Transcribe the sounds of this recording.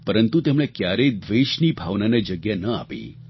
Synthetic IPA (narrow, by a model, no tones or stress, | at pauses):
pəɾənt̪ut̪emɽekjaɾəid̪ʋeʃnibʱaʋnaned͡ʒəɡjanəa̰pḭ